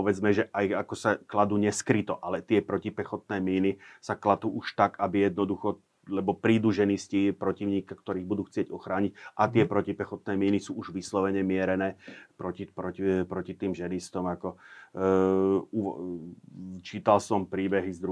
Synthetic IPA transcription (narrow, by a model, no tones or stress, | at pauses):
pɔʋɛd͡zmɛʒɛʔajakɔsaklad̪uːɲɛskɾit̪ɔʔalɛt̪ɪɛpɾɔcipɛxɔt̪nɛːmiːnisaklad̪uːʔuʃt̪akabijɛd̪nɔd̪uxɔ | lɛbɔpɾiːd̪uːʒɛniscipɾɔciʊɲiːkakt̪ɔɾiːɣbud̪uːxt͡sɪɛɟɔxɾaːɲicʔat̪ɪɛpɾɔcipɛxɔt̪̚nɛːmiːnisuːuʒʋislɔʋɛɲɛmɪɛɾɛnɛːpɾɔcipɾɔipɾɔcit̪iːmʒɛnist̪ɔmakɔ | u | t͡ʃiːt̪alsɔmpɾiːbɛɦizd̪ɾu